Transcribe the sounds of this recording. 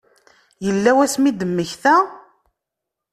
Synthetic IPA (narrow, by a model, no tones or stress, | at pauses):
jəlːæwæsmid̪əmːəçθæ